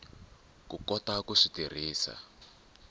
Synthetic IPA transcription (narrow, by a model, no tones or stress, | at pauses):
kukɔtakuʂitir̤iːsa̰